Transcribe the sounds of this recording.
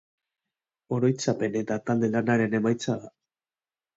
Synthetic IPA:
o̞ɾo̞jt͡sape̞ne̞t̪at̪ald̪e̞lanaɾe̞ne̞majt͡saða

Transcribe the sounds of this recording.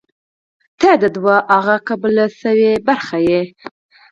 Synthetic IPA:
t̪ad̪əd̪waʔaɣakabəlasəwebaɾxaje

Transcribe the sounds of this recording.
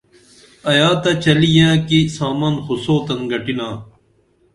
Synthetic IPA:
ɐjaːt̪ɐt͡ɕɐlijãːkisaːmaːnxusoːt̪ɐnɡɐʈinãː

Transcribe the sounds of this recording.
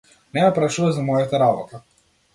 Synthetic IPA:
nɛjapɾaʃuvazamɔjat̪aɾabɔ̰t̪a

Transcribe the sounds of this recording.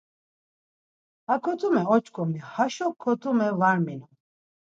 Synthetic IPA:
hakʰɔt̪ʰumɛɔt͡ʃʰkʰɔmihaʃɔkʰːɔt̪ʰumɛvaɾminɔ

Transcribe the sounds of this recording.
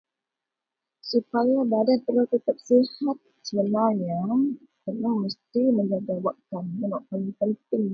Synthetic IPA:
supajabadanp̪əɾlat̪ət̪ap̚sihat̪̚sələlaɲa | t̪əlahməst̪iməɲd͡ʒaɡawaʔkanənaʔpəlipənt̪ɪŋ

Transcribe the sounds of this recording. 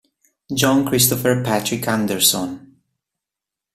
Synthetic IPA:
d͡ʒɔ̃nkɾist̪ɔfɛɹpæt̪ɹikʰãnd̪ɛɹsɔ̃n

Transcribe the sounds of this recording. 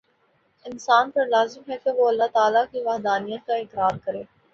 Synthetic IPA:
ɪnsaːnpɐɾlaːzɪmɦɛkeʋoɐlːat̪aːlakiʋaːɦd̪aːnijət̪̚kaɪkɾaːɾkɐɾeː

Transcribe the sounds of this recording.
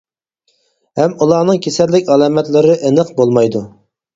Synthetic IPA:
hɛmulˠɑːnɨŋkʲʰesɛlːɪkʲɑlˠɑːmɛt̪lɪɾɪʔenəqbolˠmɑjd̪u

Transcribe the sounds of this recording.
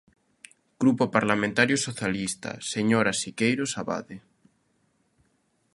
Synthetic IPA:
ɡ̥ɾupopaɾlamẽnt̪aɾjosoθjalist̪a̰seɲoɾasikejɾosaβa̰ðe

